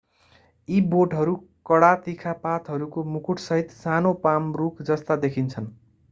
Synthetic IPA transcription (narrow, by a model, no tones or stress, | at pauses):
iboʈɦʌɾukʌɽat̪ikʰapat̪ɦʌɾukomukʰuʈsʌɦit̪sanopamrukd͡zʌst̪ad̪ekʰint͡sʰʌn